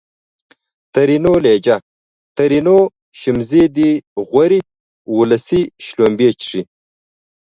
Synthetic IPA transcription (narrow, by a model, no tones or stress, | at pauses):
t̪ɐɾinoleːd͡ʑɐ | t̪ɐɾino | ɕimzid̪iʁwʷɐɾi | wulɐsiɕloːmbeːt͡ʃʂi